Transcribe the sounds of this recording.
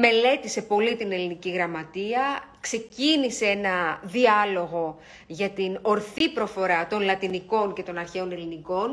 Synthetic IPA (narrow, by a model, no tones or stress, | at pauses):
me̞le̞t̪ise̞po̞lit̪ine̞liniciɣɾɐmɐt̪iɐkse̞cinise̞enɐðiɐlo̞ɣo̞ | ʝɐt̪ino̞ɾθipɾo̞fo̞ɾɐt̪o̞nlɐt̪iniko̞nce̞t̪o̞nɐɾçe̞o̞ne̞liniko̞n